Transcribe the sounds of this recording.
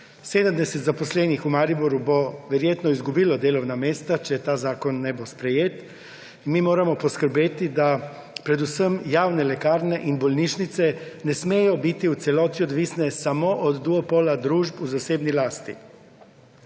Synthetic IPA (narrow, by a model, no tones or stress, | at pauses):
seːd̪əmd̪ɛsɛt̪zapɔslɛːnixumaːɾibuɾjuboʋɛɾjeːt̪nɔizɡubiːlɔd̪eːlɔwnameːst̪at͡ʃɛt̪aːzaːkɔnːɛbospɾɛjeːt̪ | inmiːmoːɾamɔpɔskəɾbeːt̪id̪a | pɾɛd̪usəmjaːwnɛlɛkaːɾnɛʔinbɔlnit͡ʃnit̪sɛnɛsmeːjɔbit̪iut̪sɛlɔːt̪iɔd̪ʋiːsnɛsamoʔɔd̪ːuopolad̪ɾuːʒpuzaseːbnilaːst̪ḭ